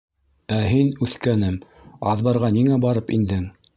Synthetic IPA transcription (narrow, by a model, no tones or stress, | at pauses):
æɦinʉθkænɘm | ɑ̰ðβɑɾʁɑniŋæbɑɾɤpḭnd̪ɘŋ